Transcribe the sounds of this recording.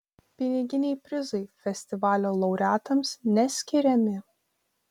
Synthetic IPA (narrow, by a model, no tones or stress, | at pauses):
pʲɪnʲɪɡʲɪnʲɛɪpʲɾʲɪzɐɪfʲɛsʲt̪ʲɪʋɑːlʲoːlˠɐʊɾʲæːt̪ɐmsnʲɛsʲkʲɪɾʲɛmʲɪ